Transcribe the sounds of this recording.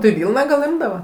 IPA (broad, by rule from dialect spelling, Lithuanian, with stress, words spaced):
tɐɪ ˈʋʲiːlˠnɑː ɡɐlˠ ˈɪmdɐʋɐ